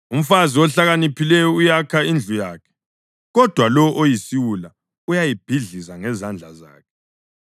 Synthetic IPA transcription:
um̩faziɔɬaɣanipʰilɛjɔujakʰaind͡ɮʱujaːkʰɛ̥ | ɣɔd̥ʱwalɔʔojisiwula | ujajib̥ʱiɮizaŋɛzand͡ɮʱaza̰ːkʰɛ

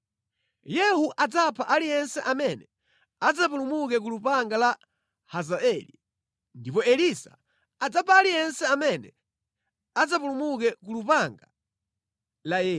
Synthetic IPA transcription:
jɛhuʔad͡zapʰaʔalijɛnsɛʔamɛnɛ | ad͡zapulumukɛk̬ulupaŋɡala | hazaɛli | ndipɔɛlisa̰ː | d͡zapʰaːlijɛnsɛamɛnɛ | ad͡zapulumukɛkulupaŋɡa | lajɛː

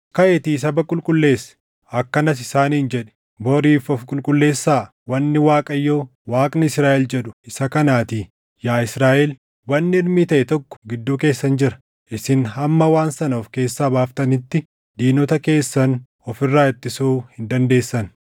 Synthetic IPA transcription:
kɐʔɛt̪iːs̬ɐbɐkʼʊlkʼʊlːe̞ːsːɛ̥ | ɐkːɐnɐs̬ɪsaːniːnd͡ʒɛᶑɛ̥ | boɾiːfɔfkʼʊlkʼʊlːe̞ːsːaː | wɐnːɪwaːkʼɐjːoː | waːkʼnɪɪsɾaːʔɛld͡ʒɛᶑʊ̥ɪsɐkɐnaːt̪iː | jaːɪsɾaːʔɛl | wɐnːɪɪɾmiːt̪ɐʔɛt̪ɔkːɔ̥ɡɪd̪ːuːke̞ːsːɐnd͡ʒɪɾɐ̥ | ʔɪsɪnhɐmːɐwaːnsɐnoːfke̞ːsːaːbaːft̪ɐnɪt̪ːɪ | d̪iːnɔt̪ɐke̞ːsːɐn | ɔfɪrːaːɛt̪ːɪsuːhɪnd̪ɐnd̪e̞ːsːɐn

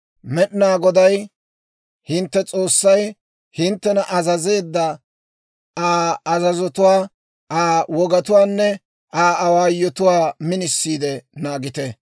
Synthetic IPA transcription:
mɛɗɪnaːɡɔd̪ɐj | hɪnt̪ːɛt͡sʼo̞ːsːɐj | hɪnt̪ːɛnɐʔɐzɐze̞ːd̪ːɐ | aːɐzɐzɔt̪ʊwaː | aːwɔɡɐt̪ʊwaːnːɛ | aːɐwaːjːɔt̪ʊwaːmɪnɪsːiːd̪ɛnaːɡɪt̪ɛ

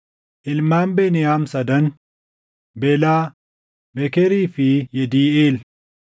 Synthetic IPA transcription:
ʔɪlmaːmbeːnɪjaːmsɐd̪ɐn | bɛlaː | bɛkɛɾiːfɪjɛd̪iːeːl

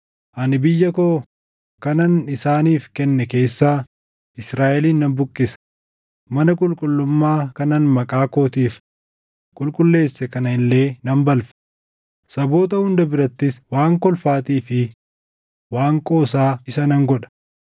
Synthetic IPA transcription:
ʔɐnɪbɪjːɐkoː | kɐnɐnɪsaːniːfkɛnːɛke̞ːsːaː | ʔɪsɾaːʔɛliːnːɐmbʊkʼːɪsɐ̥ | mɐnɐkʼʊlkʼʊlːʊmːaːkɐnɐnmɐkʼaːko̞ːt̪iːf | kʼʊlkʼʊlːe̞ːsːɛkɐnɐɪlːe̞ːnɐmbɐlfɛ̥ | sɐbo̞ːt̪ɐhʊnd̪ɐbɪɾɐt̪ːɪswaːŋkɔlfaːt̪iːfɪ | waːŋkʼo̞ːsaːɪsɐnɐŋɡɔᶑɐ̥

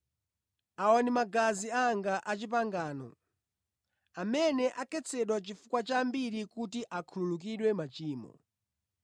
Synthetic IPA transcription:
aɔnimaɡaziaŋɡaʔat͡ʃip̬aŋɡaːnɔ̰ | amɛnɛʔakɛt͡sʰɛɗwat͡ʃifukwat͡ʃambiɾikutiʔakʰululuk̬iɗwɛmat͡ʃiːmɔ̰

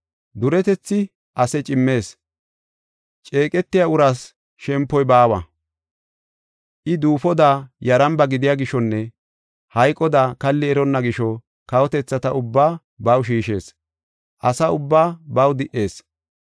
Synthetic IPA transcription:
d̪ʊɾɛt̪ɛt͡sːɪ | ʔɐsɛt͡ʃʼɪmːe̞ːs | t͡ʃʼe̞ːkʼɛt̪ːɪjaʊɾaːs | ʃɛmpːɔjbaːwɐ̰ | ʔɪd̪uːfɔd̪aːjɐɾɐmbɐɡɪd̪ɪjaːɡɪʃɔnːɛ | hɐjkʼːɔd̪akɐlːɪɛɾɔnːɐɡɪʃɔ | kɐwɔt̪ɛt͡sːɐt̪ɐʊbːaː | bɐwʃ̬iːʃe̞ːs | ʔɐsɐʊbːaːbɐwd̪ɪʔe̞ːs

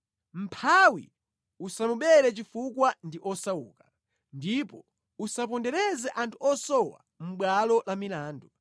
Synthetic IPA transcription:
m̩pʰawḭ | usamuɓɛɾɛt͡ʃifukwandiʔɔsaṵːkḁ | ndipɔ | usap̬ɔndɛɾɛzɛʔantʰuɔsɔwa̰ | m̩ɓwalɔlamilaːndu

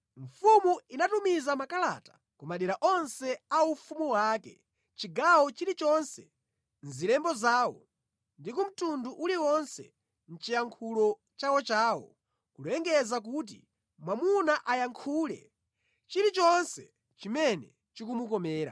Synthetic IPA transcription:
ɱ̩fumuinatumizamakala̰tḁ | kumaɗiɾaʔɔnsɛaufumuwaːkɛ | t͡ʃiɡawɔt͡ʃiɾit͡ʃɔnsɛ | nzilɛmbɔzaːwɔ̰ | ndikum̩tunduʔuliwɔnsɛ̰ | n̩t͡ʃijaŋkʰulɔ | t͡ʃawɔt͡ʃaːwɔ̰ | kulɛŋɡɛzak̬uːt̬ḭ | mwamunaʔajaŋkʰuːlɛ̰ | t͡ʃiɾit͡ʃɔnsɛ | t͡ʃimɛnɛ | t͡ʃik̬umukɔmɛːɾa̰

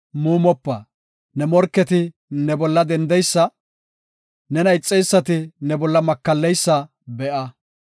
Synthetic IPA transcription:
muːmɔpːɐ̰ | nɛmɔɾkːɛt̪ɪ | nɛbɔlːɐd̪ɛnd̪ɛjsːɐ | nɛnɐjɪt͡sʼːɛjsːɐt̪ɪnɛbɔlːɐmɐkːɐlːɛjsːɐ | bɛʔɐ

